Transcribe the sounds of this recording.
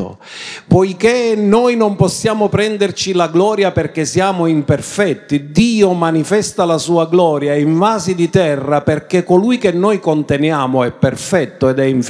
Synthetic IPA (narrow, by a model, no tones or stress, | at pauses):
pɔjkenɔjnompɔsːjaːmopɾɛnd̪ert͡ʃilaɡlɔːɾjaperk̟esjaːmoimpɛrfɛt̪ːid̪iːomanifɛst̪alasuːaɡlɔːɾjaiɱvaːzid̪it̪ɛrːaperkekːolujkenːɔjkont̪ɛnjaːmoɛpːɛrfɛt̪ːoɛd̪ɛiɱf